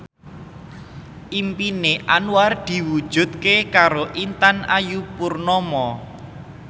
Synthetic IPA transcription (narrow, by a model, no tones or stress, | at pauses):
ʔimpineʔanward̪̥i̤wud̥ʒ̥ṳd̪̚kekaɾoʔint̪anajupurnɔmɔ